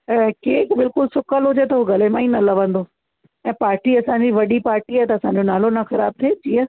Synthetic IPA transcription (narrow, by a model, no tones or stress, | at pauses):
keːkbɪlkʊlsʊkəlɦʊd͡ʑet̪ɐɦuɡɐlemãĩnɐlɐʋə̃nd̪o | ɛ̃ːpaːɾʈiɐsãɲd͡ʑiʋɐɗipaːɾʈiaːt̪ɐɐsãːɲ̆d͡ʑonaːlonɐxɐɾaːb̚t̪ʰed͡ʑiːə